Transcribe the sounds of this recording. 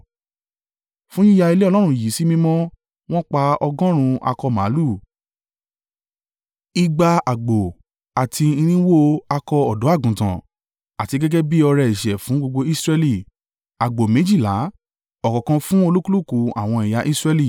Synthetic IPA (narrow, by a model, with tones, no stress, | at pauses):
fũ˦ĩ˦ja˧i˧le˦ɔ˧lɔ˦ɾ̃ũ˧˦˨ji˨˦si˦mĩ˧mɔ̃˦ | w̃ɔ̃˦k͡pa˧ɔ˧ɡɔ̃˦ɾ̃ũ˧a̰˧kɔ˧mã˨˦lu˦˨ | i˧ɡ͡ba˧a˨ɡ͡bo˨ | a˨tʰi˧ĩ˧ɾ̃ĩ˦wo˦a˧kɔ˧ɔ˨dɔ˨˦a˦˨ɡũ˨tã̰˨ | a˨ti˧ɡɛ˦ɡɛ˦bi˦ɔ˧ɾɛ˧i˨ʃɛ˨fũ˨˦ɡ͡bo˧ɡ͡bo˧i˦sɾɛ˧li˨ | a˨ɡ͡bo˨mẽ˨˦d͡ʒi˦˨la˨˦ | ɔ˨kɔ˨kã˧fũ˦o˧lu˦ku˦lu˦˨ku˨a̰˨w̃ɔ̃˧i˨ja˧ʔi˦sɾɛ˧li˦˨